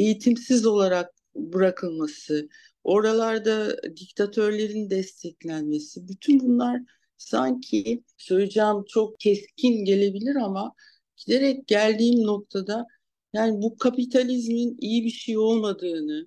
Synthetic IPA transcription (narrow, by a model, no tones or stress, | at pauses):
e̞jit̪ʰimsizo̞lˠaɾak̚ | bɯɾakʰɯlˠmasɯ | o̞ɾalˠaɾd̪ad̪ict̪ʰat̪ʰø̞ɾlʲe̞ɾind̪ɛst̪ʰɛclʲænme̞sibyt̪ʰynbunlˠaɾ̥ | saɲcʰi | søjed͡ʒaːmt͡ʃʰo̞k̚cʰɛscʰinɟe̞lʲe̞bilʲiɾama | ɟ̥id̪e̞ɾɛc̚ɟælʲd̪iːmno̞k̚t̪ʰad̪a | jaːnibukʰapit̪ʰalʲizminijibiʃejo̞lˠmad̪ɯːnɯ